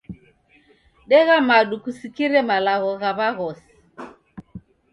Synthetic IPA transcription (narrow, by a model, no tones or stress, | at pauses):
ɗɛɣamaɗukusikiɾɛmalaɣɔɣaβaɣɔsi̥